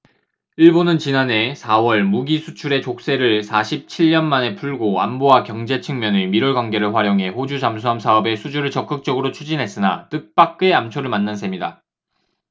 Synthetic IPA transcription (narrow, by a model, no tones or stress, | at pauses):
iɭbonɯnt͡ɕinane̞sʰawʌɭmuɡisʰut͡ɕʰuɾe̞t͡ɕok̚s͈e̞ɾɯɭsʰaɕʰip̚t͡ɕʰiʎːʌnmane̞pʰuɭɡoa̰mbowakjʌŋd͡ʑe̞t͡ɕʰɯŋmjʌnemiɾʌɭɡwaŋɡe̞ɾɯɭɸwaɾjoŋɦe̞ɸod͡ʑud͡ʑamsʰuɦamsʰaʌbe̞sʰud͡ʑuɾɯɭt͡ɕʌk͈ɯk̚t͡ɕ͈ʌɡɯɾot͡ɕʰud͡ʑinɦe̞s͈ɯna̰tɯk̚p͈ak̚k͈ɯe̞amt͡ɕʰoɾɯɭmanːansʰemɲida